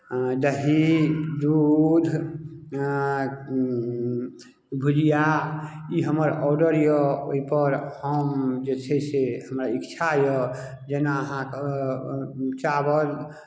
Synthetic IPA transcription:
d̪əɦid̪ud̪ʱ | bʱud͡ʒija | iɦəməɾɔɖəɾjɔoipəɾhəmd͡ʒesʰɛseɦəmɾaikt͡ʃʰajɔ | d͡ʒɛnaəɦãk | t͡ʃabəɾ

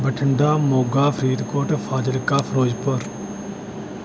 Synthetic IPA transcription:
bəʈʰəɳɖaːmoːɡaːpʰɾiːd̪koːʈfʰaːd͡ʒəlkaːfʰɾoːd͡ʒpəɾ

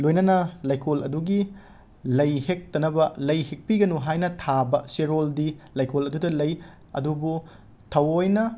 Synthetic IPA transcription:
lojnɐnɐlajkʰolɐ̰duɡi | lɐjhek̚tɐnɐbɐlɐjhek̚piɡɐnuɦajnɐtʰabɐseɾoldilajkʰolɐdudɐlɐj | ɐ̰dubu | tʰɐwojnɐ

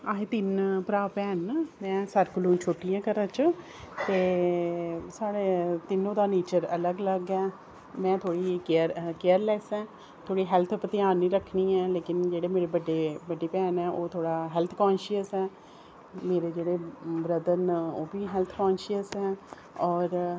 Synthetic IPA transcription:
aːɦẽːt̪ɪnpɾaːpɛːnmɛ̃ːsəɾkəlũːt͡ʃʰoːʈijãːkəɾãːt͡ʃ | t̪eː | saːɽeːt̪ɪnõːd̪aːneːt͡ʃəɾələɡləɡɛː | mɛ̃ːt̪ʰoːɽiːkeəɾkeːəɾlɛːsɛː | t̪ʰoːɽiːɦɛlt̪ʰpət̪ɪaːnːĩːɾəkʰːniːɛːleːkɪnd͡ʒeːɽeːmeːɾeːbəɖeːbəɖːeːpɛːnɛːʔoːt̪ʰoːɽaːɦɛlt̪ʰkãːnʃəsɛː | meːɾeːd͡ʒeːɽeːbɾəd̪ənoːbiːɦɛlt̪ʰkɔ̃ːnʃiəsɛː | ɔːɾ

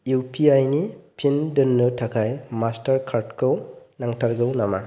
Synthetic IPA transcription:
jupʰiajnipʰindɯnːɯtʰakʰajmastaɾkʰaɾtkʰɯwnaŋtʰaɾɡɯwnama

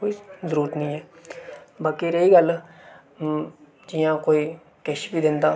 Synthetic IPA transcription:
koːizəɾuːɾət̪nĩːɛː | baːkiɾeiːɡəl | d͡ʒijãːkoːiː | kɛʃbiːd̪ɪ̃nd̪aː

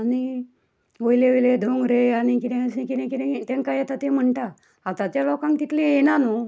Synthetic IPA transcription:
ani | ojleʋiled̪ʱoŋɡɾeanikit̪ẽsẽkit̪ẽkit̪ɛ̃t̪ãŋkajɛt̪at̪ẽm̤əɳʈa | at̪at͡ɕjalɔkãŋkt̪it̪lijenano

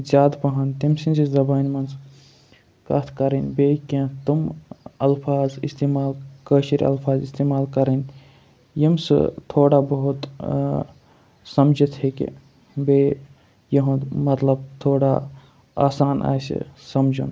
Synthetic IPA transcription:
zʲaːd̪pɐɦɐnt̪imsinsizɐbaːnmɐns | kɐ̰t̪ʰkɐɾinbeːkẽt̪umɐlpʰaːzist̪eːmaːlkəːʃiɾɐ̰lfʰaːzist̪eːmaːlkɐɾən | jimsɨ̰t̪ʰoːɽabɐɦut̪ | sɐmd͡ʒət̪hekḭ | beː | jɐɦõmɐt̪lɐbt̪ʰoːɽa | a̰ːsaːnʔa̰ːsḭsɐmd͡ʒṵn

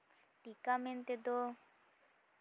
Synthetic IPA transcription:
ʈikament̪ed̪o

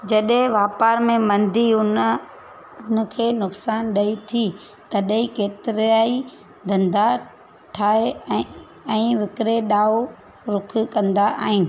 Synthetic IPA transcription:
d͡ʑɐɗɦẽʋaːpaːɾmẽmɐ̃nd̪ʱiʊn | ʊn̆kʰeːnʊksaːnɗɐit̪ʰi | t̪ɐɗɦĩkeːt̪ɪɾaːi | d̪ʱɐ̃nd̪a | ʈʰaːe | ɛ̃ːʋɪkɾeɗaːo | ɾʊkʰkɐ̃nd̪aʔa̰ːɦɪnɪ̆

